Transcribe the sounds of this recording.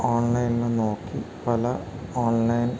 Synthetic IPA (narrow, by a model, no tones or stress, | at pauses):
oːɳlɐjninɨnoːkːipɐlɐ | oːɳlɐjn